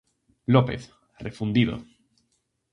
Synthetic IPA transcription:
lopḛθ | rʔefund̪iðo̰

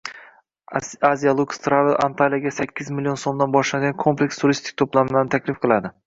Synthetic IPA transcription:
azijalˠukst̪ɾavɪlˠa̰nt̪ʰalijaɡʲasakʲːɪzmɪlijo̞nso̞md̪anbɒʃlaɡʲankʰo̞mple̞kʲst̪ʰʊɾist̪ʰɪ̥kʲt̪ʰoplamɪlanɪt̪ʰakʲlɪfqʰɨlˠad̪ɪ

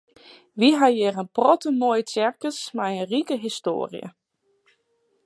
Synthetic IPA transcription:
ʋiɦajɪːrənprɔtəmojt͡sɛrkəsmajənrikəɦisto̰ːrj̰ə̰

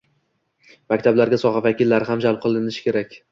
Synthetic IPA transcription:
makʲt̪ʰablaɾɡʲasɒʁɑvakʲilːaɾɦamd͡ʒalˠp̚qʰɨlˠɪnɪʃɪ̥kʲe̞ɾakʲ

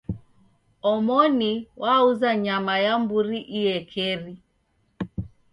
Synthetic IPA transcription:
ɔmɔniwauzaɲamajambuɾiʔijɛkʰɛɾi

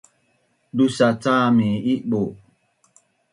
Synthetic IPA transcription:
dusat͡saːmiiʔɓo

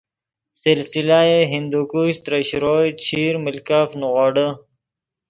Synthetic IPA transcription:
silsilaːeɦind̪ukuɕt̪ɾəɕɾoːt͡ɕʰiːɾmilkaːfnuʁoːɖə

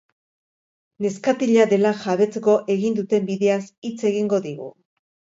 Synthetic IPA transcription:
ne̞skat̪iʎaðe̞laxaβe̞t͡seko̞ʔe̞ɣind̪ut̪e̞mbiðe̞asit͡se̞ɣiŋɡo̞ðiɣṵ

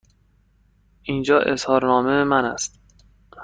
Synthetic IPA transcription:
ʔiːnd͡ʒɒːʔe̞shɒːɾnɒːmemænæ̰st̪

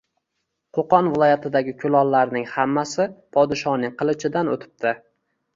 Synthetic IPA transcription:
qʰoqɒnvɪlˠɒjat̪ʰɪd̪aɡʲɪkʲʰʊlˠɒlːaɾnɪŋhamːasɪpʰɒd̪ɪʃɒnɪŋqɨlˠɪt͡ʃʰɪd̪anot̪ʰɪ̥p̚t̪ʰɪ

